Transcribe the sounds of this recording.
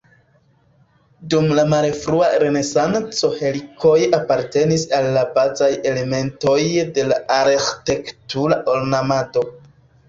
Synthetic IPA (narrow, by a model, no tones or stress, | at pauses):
dumlamalfɾuaɾe̞ne̞sant͡so̞he̞likʰo̞japaɾte̞nisalːabazaje̞le̞me̞nto̞jde̞laʔaɾxte̞ktuɾaʔo̞lnamado̞